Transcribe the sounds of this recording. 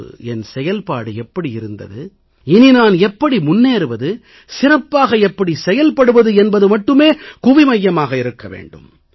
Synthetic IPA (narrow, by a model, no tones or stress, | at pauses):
ɛnsɛjɐlpaːɽɯɛpːɐɽiɪɾɯnd̪ɐ̰ðɯ | ɪninaːnɛpːɐɽimʊnːeːɾɯʋɐðɯ | sɪrɐpːaːɣɐɛpːɐɽisɛjɐlpɐɽɯʋɐðɯɛnbɐðɯmɐʈːɯmeːkʊʋɪmɐjːɐmaːɣɐɪɾɯkːɐʋḛːɳɖɯ̰m